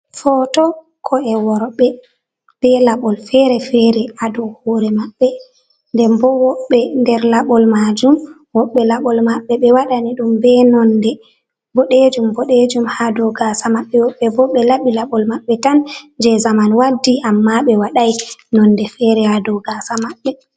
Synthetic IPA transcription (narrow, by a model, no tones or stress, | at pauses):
fɔtɔ | kʰɔɛwɔɾɓɛ | b̥ɛlaɓɔlfɛɾɛfɛɾɛadɔhoːɾɛmaɓːɛ | ndɛmbɔwɔɓːɛndɛɾlaɓɔlmad͡ʒum | wɔɓːɛlaɓɔlmaɓːɛɓɛwaɗaniɗumbɛnɔndɛ | bɔɗed͡ʒumbɔɗed͡ʒumhadɔɡasamaɓːɛwɔɓːɛbɔɓɛlaɓilaɓɔlmaɓːɛtand͡ʒɛzamanwadːiʔamːaɓɛwaɗajnɔndɛfɛɾɛhadɔɡasamaɓːɛ